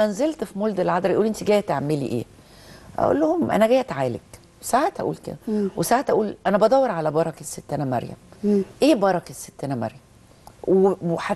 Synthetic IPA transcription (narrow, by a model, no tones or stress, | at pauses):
ænzelt̪fimold̪elʕɑd̪ɾˤʔuːlʔent̪iɡæːjt̪eʕmːelḭːʔḛː | ʔæ̰ʔo̰lːohomʔæ̰næɡæːjæt̪ʕaːlḛk | sahæt̪ʔæ̰ʔṵːlkḛd̪æwesahæt̪ʔæʔuːlʔænæbæd̪ˤɑwːeɾˤʕalæbɑɾˤɑkesːet̪ːænæmæ̰ɾjæ̰mʔeːbɑɾˤɑkæsːe̥t̪ːænæmæ̰ɾjæm | wħa